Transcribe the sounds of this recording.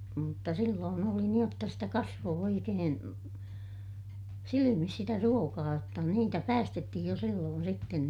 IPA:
mutːɑ silːoːn oli niːj jotːɑ sitæ kɑsʋoː oikeːn silimis sitæ ruokɑː jotːɑ niːtæ pæːstetːihij jo silːoːn sitːen

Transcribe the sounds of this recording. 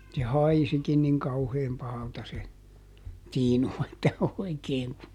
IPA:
se hɑisikin niŋ kɑuheːm pɑhɑltɑ se tiːnu etːæ oikeːŋ ku

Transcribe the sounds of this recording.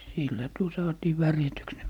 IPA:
silːæ tuo sɑːtiː ʋærjætyks ne

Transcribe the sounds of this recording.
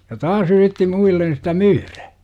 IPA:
jɑ tɑːs yritːi muilːen sitæ myːræ

